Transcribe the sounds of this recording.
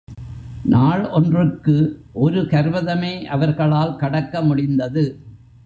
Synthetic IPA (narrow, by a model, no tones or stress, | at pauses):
nʔaːɭɔndrɯkːɯʔɔɾɯkɐɾʋɐðɐmeːʔɐʋɐɾɣɐɭaːlkɐɽɐkːɐmʊɽɪnd̪ɐðɯ